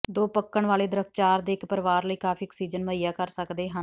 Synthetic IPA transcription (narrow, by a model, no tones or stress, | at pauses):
d̪oːpəkːəɳʋaːleːd̪əɾək̚ʰt͡ʃaːɾd̪eːɪkpəɾʋaːɾləiːkaːpʰiːəksiːd͡ʒənməijaːkəɾsəkd̪eːɦən